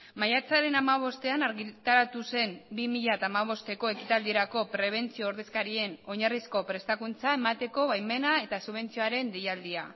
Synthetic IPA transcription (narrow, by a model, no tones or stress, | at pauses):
majat͡saɾe̞namaβ̞o̞st̪e̞anaɾɣit̪aɾat̪use̞mbimiʎat̪amaβ̞o̞st̪e̞ko̞e̞kit̪ald̪ieɾako̞pɾe̞β̞e̞nt͡sio̞ːɾðe̞skaɾie̞no̞ɲarisko̞pɾe̞st̪akunt͡sae̞mat̪e̞ko̞βajme̞nae̞t̪asuβ̞e̞nt͡sio̞aɾe̞nd̪ejald̪ia